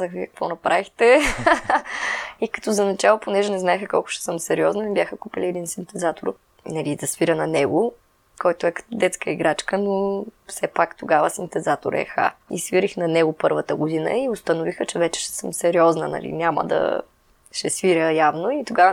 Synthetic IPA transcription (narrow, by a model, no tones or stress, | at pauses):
zəxviɐkvɔnɐpɾavixt̪ɛ | ikɐ̥t̪ɔzɐnɐt͡ʃalˠoponɛʒɛnɛznaɛxəkɔlˠkʊ̥ʃɛsəmsɛɾiɔznənibʲjaxəkupiliɛd̪insint̪ɛzat̪oɾ | nɐlizɐsviɾənɐnɛɡʊ | kɔjt̪ʊɛkɐ̥t̪d̪ɛt̪skəiɡɾat͡ʃkənofsɛpakt̪oɡavəsint̪ɛzat̪o̰ɾɛ̰xa̰ḭsviɾixnɐnɛɡʊpɤɾvət̪əɡʊd̪inə̰iʊst̪ɐnʊvixət͡ʃɛvɛt͡ʃɛ̥ʃɛ̥səmsɛɾiɔznə̰nɐ̰lḭnʲamə̰d̪ɐ̰ | ʃɛsviɾəjavnoit̪oɡavə